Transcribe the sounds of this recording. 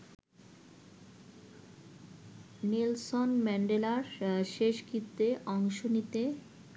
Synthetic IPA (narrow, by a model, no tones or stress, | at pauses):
nilsonmɛɳɖelaɾʃeʃkit̪ːeʔɔŋʃonit̪e